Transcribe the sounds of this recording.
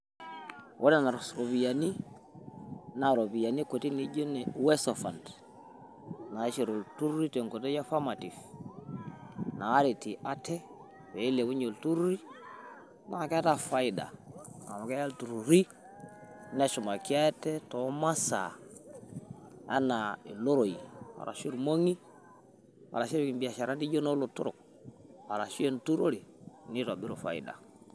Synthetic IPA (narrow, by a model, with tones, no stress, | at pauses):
ʔo˦nɛ˦na˨ɾsɾo˨bi˨ja˨ni˦ | na˨ɾo˨bi˨ja˨ni˦ko˨ti˦ni˨˦ɟo˦nɛ˨wɛ˦sɔ˨fa˨nt | na˨˦ʃe˨ɾo˨ltu˦ɾu˦ɾi˦te˨ŋko˨t̬e˦ja˦fa˦ma˨ti˨f | naː˨˦ɾi˨ti˨ʔa˦tɛ˦ | we˨i˦le˨bu˦ɲo˨ltu˦ɾɾi˦ | na˨kɛ˦a˦ta˦fa˦ida̰˨a̰˨ma˨ke˦ja˦ltu˨ɾu˨ɾi˦ | ne˦ʃu˨ma˨ki˦a˦tɛ˦to˨˦ma˦sa̰˨ | a̰˦na˨i˨lo˦ɾo˨i˨a̰˨ɾa̰˨ʃi˦ɾmo˦ŋi˦ | wa̰˨ɾa˨ʃi˦ɾki˨mbi˨a˨ʃa˨ɾa˦nti˦d͡ʒo˦no˦lo˨tṵ˦ɾo̰˨k̚ | a˨ɾa˨ʃu˦e˦˨ntu˦ɾo˦ɾi˨ni˦ta˨bi˦ɾo˨fa̰˨ḭ˨da̰˨